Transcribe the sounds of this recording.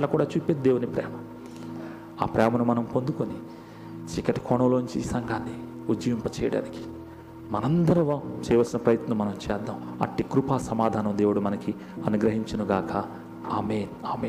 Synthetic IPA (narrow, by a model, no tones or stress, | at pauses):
lɐkuːɽaːt͡ʃuːpeːd̪eːwunipɾɛ̰ːmɐ | a̰ːpɾɛːmɐnumɐnɐmpond̪ukoni | t͡ʃikːɐʈi̥kʰɔːɳɐloːnuɲt͡ʃiːsɐŋɡʱaːnːi | ud͡ʒɐʋimpɐt͡ʃɛːjɐɽa̰ːniki̥ | mɐnɐnd̪ɐɾuʋat͡ʃɛːjʋɐlsinɐpɾɐjɐt̪nɐmːɐnɐmt͡ʃɛːd̪ːaːmɐ̰ʈːikɾupaːsɐmaːd̪ʱaːnɐmd̪e̞ːwuɽumɐnɐki | ɐnuɡɾɐɦiɲt͡ʃɐnuɡaːkɐ | aːmeːnaːmeː